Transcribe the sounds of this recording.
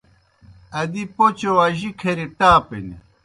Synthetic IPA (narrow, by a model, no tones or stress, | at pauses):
ɐd̪ipot͡ɕowaʑikʰeɾiʈaːpḛnḛ